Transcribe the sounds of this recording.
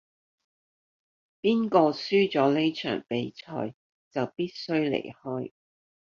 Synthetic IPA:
piː˥nkɔː˧syː˥t͡sɔː˨˥le˥jt͡ʃʰœ̰ː˨˩ŋpe˨˥jt͡sʰɔ̰ː˧j | t͡sɐ˨˩wpiː˥t̚sɵ˥ɥlḛ˨˩jhɔː˥j

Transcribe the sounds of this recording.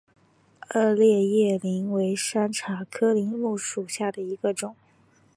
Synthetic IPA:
ə˥˧ljɛ˥˧jɛ˥˩li˧˥ŋwe˧˥ɪʂa˥nʈ͡ʂʰa˨˩kʰɤ˥li˧˥ŋlu˥˩ʂu˨˩ɕja˥˩d̪ə˩i˧˥ɡə˧ʈ͡ʂʊ˨˩˦

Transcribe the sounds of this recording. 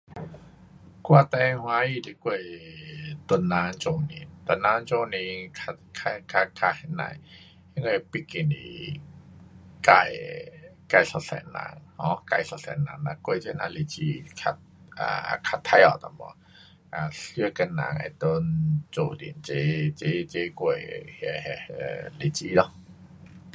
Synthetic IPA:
kwa˧t̪ɛ˧jhwa˧˦ji˧˨de˧ku˧ə˨j | t̪o˧nːaː˨˧˥ŋt͡ʃo˧˨nḭ˨˧˨t̪o˧˨nːaː˧˦ŋt͡ʃo˧ni˧kʰa˧ | kʰa˧kʰa˧kʰa˧ha˧˩na̰˧j | ha˧˦ŋɔ˧pi˦ki˧˩nḭ˧ | ka˧˩j | ka˧˩jsa˧˩sɛ̰ː˨˦nːa̰ː˧˦ŋhɔ˨˧˦ka˧˩jsa˧˩sɛ̰˨˩nːaː˧˩ŋna˧ku˧ə˨jt͡ɕa˧˦na̰ː˧le˧t͡ɕi˧kʰa˧t̪̚ʔa̰˧˩˧kʰa˧t̪ʰːa˧˥jɔ˨˩t̪a˧mɔ̰˧˦ | ʔa˨˩sɯ˧ka˧nːa̰ː˧˩ŋʔa̰˧˨t̪o˧nt͡ʃo˧dḭ˨nt͡ɕe˧˦t͡ɕe˧˦t͡ɕe˧˦ku˧˩ə˨jhɛ˧hɛ˧le˧t͡ɕi˧˦dɔ˧

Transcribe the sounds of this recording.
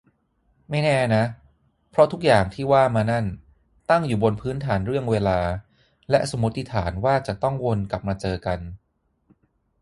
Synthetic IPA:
ma˥˩jnɛː˥˩na˦˥ | pʰɾɔ˦˥t̪ʰu˦˥k̚jaː˨˩ŋt̪ʰiː˥˩waː˥˩maː˧na˥˩n | t̪a˥˩ŋjuː˨˩bo˧npʰɯː˦˥nt̪ʰaː˩˦nɾɯ˥˩əŋweː˧laː˧ | lɛ˦˥ʔso˩˦mːu˦˥t̪ːi˦˥t̪ʰaː˩˦nwaː˥˩t͡ɕa˨˩t̪ɔ˥˩ŋwo˧nka˨˩p̚maː˧t͡ɕɤː˧ka˧n

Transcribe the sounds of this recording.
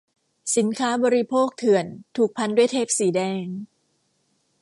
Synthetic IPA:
si˩˦nkʰaː˦˥bɔː˧ɾi˧pʰoː˥˩k̚t̪ʰɯ˨˩ənt̪ʰuː˨˩k̚pʰa˧ndu˥˩əjt̪ʰeː˥˩p̚siː˩˦dɛː˧ŋ

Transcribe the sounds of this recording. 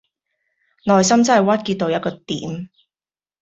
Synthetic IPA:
nɔː˨jsɐ˥mt͡sɐ˥hɐ˨jwɐ˥t̚kiː˧t̚t̪o˨wjɐ˥t̚kɔː˧t̪ḭː˨˦m

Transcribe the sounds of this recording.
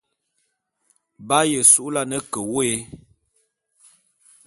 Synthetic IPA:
ba˦jə˨su˦ʔla˦nə˦kə˨we˨˦

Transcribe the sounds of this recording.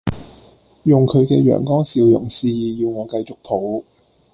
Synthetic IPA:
jʊ˨ŋkʰɵ˨˧ɥkɛː˧jœ̰ː˨˩ŋkɔː˥ŋsiː˨˧wjʊ˨˩ŋsiː˧jiː˨jiː˧wŋɔː˨˧kɐ˧jt͡sʊ˨k̚pʰo˨˥w

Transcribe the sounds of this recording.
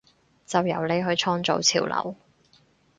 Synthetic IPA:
t͡sɐ˨wjɐ˨˩wle˨˥jɦɵ˨˧ɥt͡ʃʰɔː˥ŋt͡so̰˨˧wt͡sʰḭː˨˩wlʔɐ̰˨˩w

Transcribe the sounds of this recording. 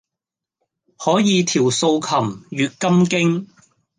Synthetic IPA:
hɔː˨˥jiː˨˧t̪ʰiː˨˩wso˧wkʰɐ˨˩mɥyː˨˧t̚kɐ˥mkɪ˥ŋ

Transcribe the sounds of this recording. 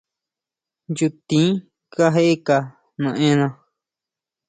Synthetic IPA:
ju˧t̪ĩ˦ | ka˦ɦe˦ʔe˦ka˧˨ | nũ˧ʔẽ˦˧nã˧

